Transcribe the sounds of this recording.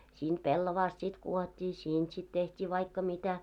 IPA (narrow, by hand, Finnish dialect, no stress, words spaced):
siːnt pelːoʋɑːst sit kuotʲːiː siːnt sit tehtʲiː ʋɑikːɑ mitæ